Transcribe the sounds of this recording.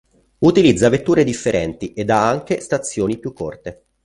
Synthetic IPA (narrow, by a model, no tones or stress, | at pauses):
ut̪ilid̪zːavet̪ːuːɾed̪ifːeɾɛnt̪ied̪ːaaŋk̟est̪at̪sːjoːnipjukʰːort̪e